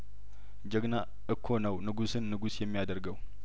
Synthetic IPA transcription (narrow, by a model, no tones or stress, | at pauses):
d͡ʒəɡna | ʔɨkʰːo̞nəwnɨɡusɨnːɨɡusjɛmːijad̪əɾɡəw